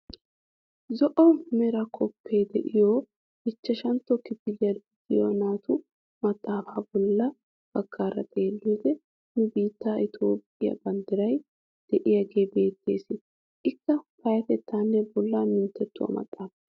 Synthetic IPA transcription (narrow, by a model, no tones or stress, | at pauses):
zɔʔɔmɛɾɐkʰɔpːeːd̪ɛʔɪjoː | ɪt͡ʃːɐʃɐnt̪ːɔkɪbɪlɪjɐd̪ɡ̪ɪjonaːt̪ʊ | mɐt̪ʼːaːfaːbɔlːɐ | b̥ɐɡːaːɾɐ̰t̪ʼeːlːuːd̪ɛ | nʊbiːt̪ːaːʔɪt̪ʰo̞ːpʼːɪjɐ̰bɐnd̪ɐɾɐj | d̪̥ɛʔɪjaɡeːbe̞ːt̪ːeːsɪ | ʔɪkːɐpɐjɐt̪ɛt̪ːaːnːɛbɔlːamɪnt̪ːɛt̪ːʊwɐ̰mɐ̰t̪ʼːaːfɐ